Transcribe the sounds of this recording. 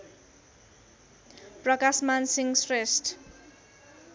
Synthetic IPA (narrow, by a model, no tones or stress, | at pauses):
prʌkasmansiŋsresʈ